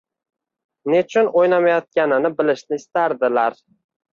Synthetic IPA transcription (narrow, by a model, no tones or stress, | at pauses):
ne̞t͡ʃʰʊnʔojlamajɒt̪̚kʲanɪnɪbɪlɪʃnɪɪst̪aɾd̪ɪlaɾ